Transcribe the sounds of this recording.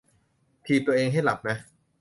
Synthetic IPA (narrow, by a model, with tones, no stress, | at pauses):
t̪ʰiː˧t̪u˧ɐʔeː˧ŋɦa˥˩jla˨˩p̚na˦˥